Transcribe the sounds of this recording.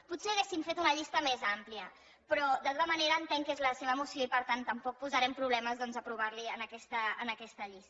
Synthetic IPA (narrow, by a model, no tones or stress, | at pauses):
put̪seəɣesiɱfet̪unəʎist̪əmezampliə | pɾɔd̪at̪oɐəməneɾəːnt̪eŋkezləseβəmusjoipəɾt̪ant̪əmpɔk̚puzəɾɛmpɾuβlɛməzðɔnzəpɾuβ̞aɾliənəkɛst̪əːnəkɛst̪əʎist̪